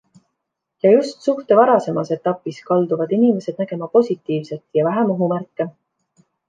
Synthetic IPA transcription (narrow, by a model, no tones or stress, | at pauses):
jɑjust̪suht̪e̞vɑɾɑse̞mɑse̞t̪ːˑɑpːˑiskɑld̪uvɑd̪inime̞se̞d̪̥næɡ̥e̞mɑpo̞sʲit̪ːˑiːvse̞t̪jɑvæɦæmoɦumærkːˑe